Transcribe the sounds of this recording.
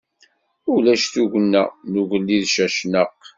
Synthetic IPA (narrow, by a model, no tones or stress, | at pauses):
ʊlæʃθuʝənːæ̰nuʝəlːiðʃæʃnəq